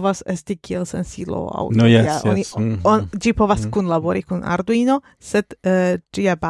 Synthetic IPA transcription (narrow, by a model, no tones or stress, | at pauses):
vase̞stikielse̞̰nsilo̰a̰woeaoniod͡ʒipo̞vaskunlabo̞ɾikuna̰ɾduino̞ | se̞d̥d͡ʒiaba